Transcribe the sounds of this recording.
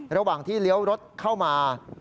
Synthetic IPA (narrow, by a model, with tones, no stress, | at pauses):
ɾa˧waː˨˩ŋt̪ʰiː˥˩li˦˥əwɾo˦˥t̪̚kʰa˥˩wmaː˧